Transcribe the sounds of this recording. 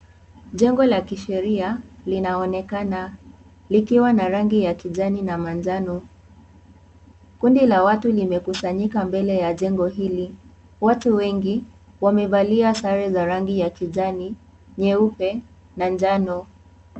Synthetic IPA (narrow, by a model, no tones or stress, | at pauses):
ʄɛŋɡɔlakiʃɛɾialinaɔnɛkana | likiwanaɾaŋɡijakiʄaninamand͡ʒanɔ | kundilawatulimɛkusaɲikambɛlɛjaʄɛŋɡɔɦili | watuwɛŋɡi | wamɛvaliasaɾɛzaɾaŋɡijakiʄani | ɲɛupɛ | nand͡ʒanɔ